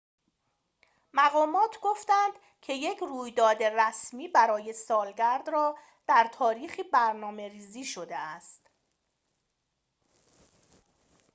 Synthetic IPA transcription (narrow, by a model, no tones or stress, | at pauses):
mæɣɒːmɒːt̪ʰɡo̞ft̪ænd̪ | cʰe̞je̞cʰruːjd̪ɒːd̪e̞ræsmiːbæɾɒːje̞sɒːlɟæɾd̪rɒː | d̪̥æɾt̪ʰɒːɾiːxiːbæɾnɒːme̞ɾiːziːʃo̞d̪eæst̪